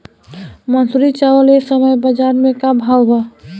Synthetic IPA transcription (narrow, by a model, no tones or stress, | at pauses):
mənsuɾit͡ʃawəlesəməjbəd͡ʒaːɾmẽkabʱawba